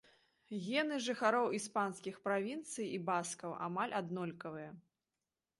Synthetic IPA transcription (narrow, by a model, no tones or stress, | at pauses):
ɣʲɛnɨʐɨxaɾɔwispanskʲixpɾavʲint̪sɨjibaskɐwʔa̰malʲad̪nɔlʲkɐvɨjɐ